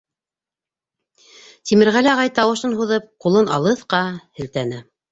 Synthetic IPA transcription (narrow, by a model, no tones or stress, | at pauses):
t̪imɘ̆ɾʁælæʁɑjt̪ɑwɤ̆ʃɤnɦuðɤp̚qulˠɤnɑlˠɤθqɑhɘ̆lt̪ænɘ